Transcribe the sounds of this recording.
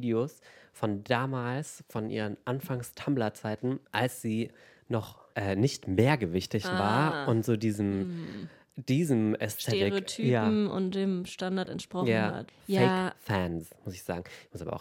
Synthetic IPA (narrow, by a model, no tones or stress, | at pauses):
ideoːsfɔndaːmaːlsfɔnʔḭːʁənʔanfaŋstʰamblɐt͡saɪtn̩ʔalsz̥iː | nɔχʔɛːnɪçtmeːɐɡəvɪçtɪçvaːɐʊntz̥oːdiːzəm | d̥iːzəmɛstʰɛetɪʁtʰyːjaːm̩ʊ̰nd̥eːmʃtandaɐtɛ̰ntʃpʁ̥ɔjaːa̰tjfɛɪkfɛnsmʊsɪçz̥a̰ːɡŋ̩ɪçmʊsabɐ̰a̰ʊ